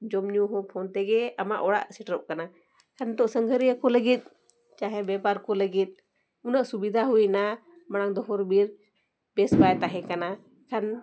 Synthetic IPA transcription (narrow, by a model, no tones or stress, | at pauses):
d͡ʒɔmɲuɦɔ̃pʰɔnt̪ɛɡɛamaʔɔɽa̰ʔsiʈɾɔʔ̚kana | kʰand̪ɔʔsəŋɡʱəɾijakɔləɡit̪̚ˀ | t͡ʃaɦɛbɛpaɾkɔləɡit̪̚ˀ | unəʔsubid̪ʱaɦujna | maɽ̃aŋd̪ɔɦɔɾbiɾ | bɛsbajt̪aɦɛ̃kana | kʰan